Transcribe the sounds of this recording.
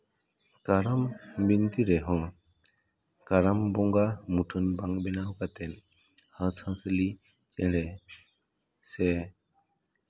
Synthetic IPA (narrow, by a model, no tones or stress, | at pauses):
kaɾambint̪iɾɛɦɔ̃ | kaɾambɔŋɡamuʈʰənbãŋɡbɛnaɦukat̪ɛn | hãshãsəli | t͡ʃɛ̃ɽɛ | sɛ